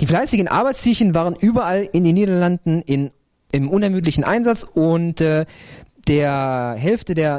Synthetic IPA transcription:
d̥iːflaɪsɪɡn̩ʔa̰ɐbaɪt͡stʰiçənvaːʁ̞ənʔyːbɐʔalɪndeːnːiːdɐlandn̩ɪn | ɪmʔʊnɛɐmyːt̬lɪçn̩ʔa̰ɪnzat͡sʊntɛːd̥eːɐɦɛlftədeːɐ

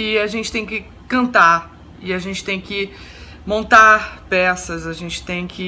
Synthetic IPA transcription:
ɪaʒẽnt͡ʃɪt̪ẽj̃kɪ | kɐ̃nt̪aɾ | ɪaʒẽnt͡ʃɪ̥t̪ẽj̃kɪ | mõnt̪aɾpɛsɐzaʒẽnt͡ʃɪ̥t̪ẽj̃kɪ

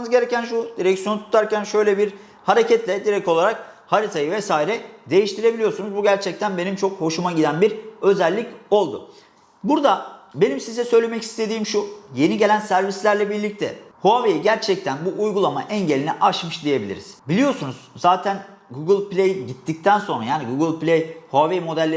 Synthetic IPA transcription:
nɯzɟe̞ɾecænʃud̪̥iɾɛcsijo̞nut̪ʰu̥t̪ʰaɾcænʃø̞jlʲɛbiɾ | haɾe̞cʰɛt̪lʲɛd̪iɾɛco̞lˠaɾak̚haɾit̪ʰajɯvɛsaːiɾɛd̪e̞jiʃt̪ʰiɾe̞bilʲijosunuzbuɟæɾt͡ʃʰɛc̚t̪ʰænbe̞nimt͡ʃʰo̞kho̞ʃumaɟid̪ænbiɾø̞zælʲːico̞lˠd̪ʊ̰ | buɾd̪abe̞nimsizɛsø̞jlʲe̞mɛcʰi̥st̪ʰe̞d̪iːmʃuje̞niɟe̞lʲænsæɾvislʲæɾlʲɛbiɾlʲic̚t̪ʰɛ̰hoavejiɟæɾt͡ʃʰɛc̚t̪ʰænbuʔːjɡulˠamaʔɛnɟelʲiniʔat͡ʃmɯʃd̪ije̞bilʲḭɾiz̥bilʲijo̞sunuzzaːt̪ʰæn | ɡuɡɯlʲˠplʲejiɟit̪ʰːic̚t̪ʰænso̞nɾa̰jaːniɡuɡɯlʲˠplʲejhoavejmo̞d̪ælʲːe

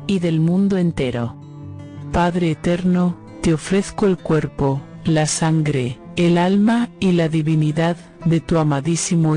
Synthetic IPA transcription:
iðe̞lmũnd̪oe̞nt̪e̞ɾo̰ | paðɾeːt̪e̞ɾno | t̪eo̞fɾe̞θkoelkweɾpolasaŋɡɾe | elalmailaðiβiniðaðː | e̞t̪uamaðisimo

